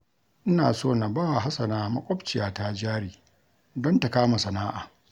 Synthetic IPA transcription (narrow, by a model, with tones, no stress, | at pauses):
ʔɪ˦na̰ː˨soː˦˨na˨baː˦˨wa˨ɦa˦sɐ˨naː˨˦mɐ˦kʷʼɔ˦bt͡ʃɪ˨jaː˨ta˦d͡ʒaː˦ɽiː˨ | dɔ˦nta˨kaː˦ma˨sɐ˨naː˦ʔaː˨